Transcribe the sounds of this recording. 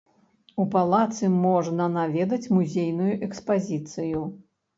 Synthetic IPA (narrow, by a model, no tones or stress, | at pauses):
upalˠat̪sɨmɔʐnɐnavʲɛd̪ɐt͡sʲmuzʲejnujuʔɛkspazʲit̪sɨju